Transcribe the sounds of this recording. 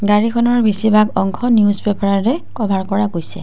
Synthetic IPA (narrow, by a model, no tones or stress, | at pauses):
ɡaɹikʰɔnɔɹbisibakɔŋkʰɔniuzbɛpɔɹaɹɛkɔbʱaɹkɔɹaɡojsɛ̰